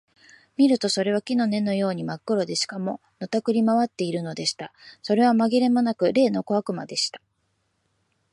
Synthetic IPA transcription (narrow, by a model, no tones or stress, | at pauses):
mʲiɾɯ̟t̪o̞so̞ɾe̞β̞akʲino̞ne̞no̞jo̞ːɲ̟imakːɯ̟ɾo̞d̪e̞ɕi̥kamo̞ | no̞t̪akɯ̟ɾʲimaβat̪ːe̞iɾɯ̟no̞d̪e̞ɕi̥t̪aso̞ɾe̞β̞amaɡʲiɾe̞mo̞nakɯ̟ɾe̞ːno̞ko̞akɯ̟ma̰d̪e̞ɕi̥t̪ḁ